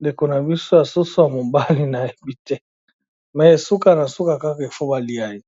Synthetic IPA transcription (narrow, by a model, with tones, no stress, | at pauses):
nde˨ko˨na˨bi˦so˦ja˨su˦so˦a˨mo˨mba˦li˦na˨e˨bi˨tɛ˦ | mɛ˨e˨su˦ka˨na˨su˦ka˨ka˦ka˨i˨fo˦ba˨li˦a˦i˨